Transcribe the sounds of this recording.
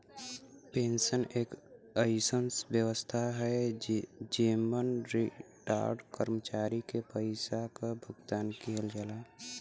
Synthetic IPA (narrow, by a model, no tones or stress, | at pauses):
peːnsəneːkəɪsənsbjəʋəst̪ʰaɦɛ | d͡ʒiːmənɾi | ʈa̰ːɾɖkəɾmət͡ʃaːɾikepəɪsakabʱʊɡt̪aːnkiɦəld͡ʒaːlaː